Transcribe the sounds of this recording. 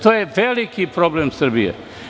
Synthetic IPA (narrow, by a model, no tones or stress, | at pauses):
t̪ojeʋelikipɾoblemsəɾbijḛ